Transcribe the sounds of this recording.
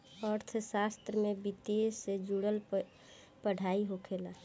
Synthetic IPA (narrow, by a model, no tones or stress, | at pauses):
əɾt̪ʰsast̪ɾəmebit̪esed͡ʒuɽəl | pəɽ̤ʱaiɦokʰela